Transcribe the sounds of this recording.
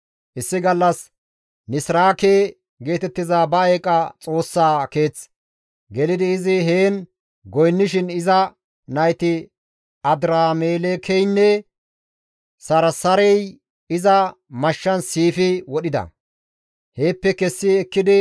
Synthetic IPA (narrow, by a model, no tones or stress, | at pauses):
ʔɪsːɪɡɐlːɐs | nɪsɾaːkeː | ɡe̞ːt̪ɛt̪ːɪzaːbɐekʼːɐt͡sʼo̞ːsːaːke̞ːt͡s | ɡɛlɪd̪ɪːzɪɦeːn | ɡɔjnːɪʃɪnɪzɐ | nɐjt̪ɪ | ʔɐd̪ɾaːmeːlekʰɛjnːɛ | sɐɾɐsɐɾɛj | ɪzɐ | mɐʃːɐnsiːfɪwɔɗɪd̪ɐ̰ | he̞ːpːɛkɛsːɪɛkːɪd̪ɪ